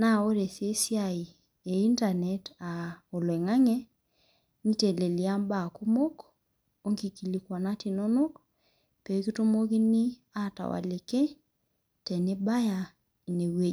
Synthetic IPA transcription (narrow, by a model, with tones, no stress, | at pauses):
na˦˨o˦ɾe˨se˦sja˨i˨ | e˨i˦nta˨nɛ˨ta˨o˨lwɛ˨ŋa˦ŋɛ˦ | ni˦te˨le˨li˨a˦mba˨ku˦mo˦k | o˦ŋki˨ki˨li˨kwa˨na˦ti˨no˦no˦k | pe˨˦ki˦tu˦mo˦ki˦ni˦ | a˦˨ta̰˨wa̰˨le˨ke˦ | tɛ˨ne˦ba˦ja˨ | e˨ne˨we˦